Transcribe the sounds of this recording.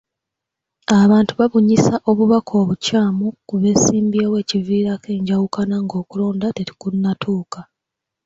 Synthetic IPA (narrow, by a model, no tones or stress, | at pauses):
aβaːntuβaβuɲisaʔo̞βuβakʰo̞ːβucaːmukuβe̞ːsiːmbiawe̞ːciviːɾake̞ːɲɟawukanaŋɡo̞ːkulo̞ːndateɾi̥kunːatʰuːka